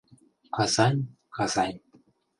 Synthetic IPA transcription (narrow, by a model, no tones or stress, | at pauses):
kɑzɑnʲ | kɑz̥ɑnʲ